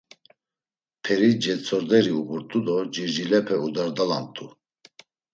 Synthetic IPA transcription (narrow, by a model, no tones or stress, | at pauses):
pʰɛɾid͡ʒɛt͡sʰʼɔɾd̪ɛɾiubuɾt̪ʼud̪ɔd͡ʒiɾd͡ʒilɛpʰɛud̪aɾd̪ala̰nt̪ʼu